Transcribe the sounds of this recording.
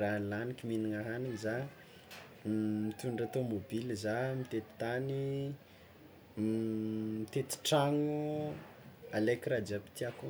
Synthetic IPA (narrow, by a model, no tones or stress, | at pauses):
ralanikʲiminiŋaɦaniŋza | mit̪uɳɖ͡ʐat̪omobilizamit̪et̪i̥t̪ani | mit̪et̪i̥ʈ͡ʂaŋu | alekɾad͡ʒapi̥t̪iaku